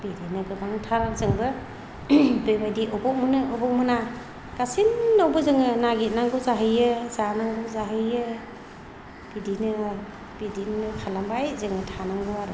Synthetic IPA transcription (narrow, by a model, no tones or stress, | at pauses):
bidinɯɡɯbaŋtʰaɾazɯŋbɯ | bejbajdiʔɔbɔk̚munɯɔbɔk̚mɯna | ɡ̥asinːawbɯzɯŋɯnaɡit̚naŋɡɯwzaɦɯjɯzanaŋɡɯwzaɦɯjɯ | b̥idinɯ | b̥idinɯkʰalambajzɯŋɯtʰanaŋɡɯwaɾɯ